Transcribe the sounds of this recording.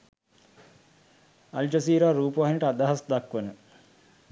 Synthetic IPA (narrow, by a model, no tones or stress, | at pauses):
ɐ̰ld͡ʒɐsiːɾaːɾuːpəʋaɦinəʈəad̪aɦasd̪akʋənə